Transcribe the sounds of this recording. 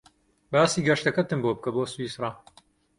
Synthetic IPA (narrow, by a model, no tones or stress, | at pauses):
baːsiːɡɐʃt̪ɐkɐt̪ɨmboːbɨkɐboːswiːsrˤɑ